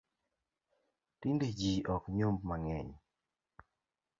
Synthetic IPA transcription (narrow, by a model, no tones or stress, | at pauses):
tinded͡ʒiʔɔkɲombmaŋɛɲ